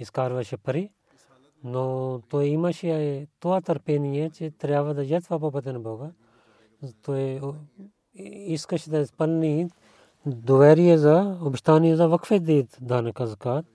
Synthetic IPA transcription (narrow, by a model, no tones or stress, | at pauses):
iskaːɾʋaːʃepɐɾi | not̪oːeimaʃiaːet̪oat̪ɐɾpeːnijet͡ʃet̪ɐɾjaːʋɐd̪ajɐt̪ʰʋaːp̬ɐpɐt̪enbʱoːɡa | t̪oːe | iskɐt͡ʃʰd̪aspɐlniːt̪ | d̪oʋɛːɾijezaubʃt̪aːnijɐzaːʋɐkʰfed̪iːt̪d̪ʱaːnɐkɐzkaːt̪